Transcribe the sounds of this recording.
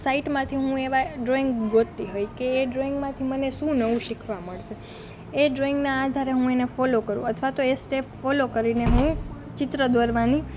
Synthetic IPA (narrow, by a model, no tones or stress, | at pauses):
saiʈmãt̪ʰiɦũeʋaɖɾoiŋɡɡot̪ːiɦojkeːɖɾoiŋɡmãt̪ʰiməneʃũnəʋũʃikʰʋaməɭʃe | eɖɾoiŋɡnaːd̪ʱaɾeɦũenefɔlokəɾũət̪ʰʋat̪oesʈepʰfɔlokəɾineɦũ | t͡ʃɪt̪ɾəd̪ʋəɾʋani